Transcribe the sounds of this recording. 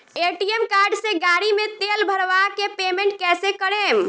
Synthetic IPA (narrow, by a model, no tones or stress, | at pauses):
eʈiemkaɾɖsẽɡaɾimet̪elbʱəɾʋakepemeɳʈ̚kɛsekəɾem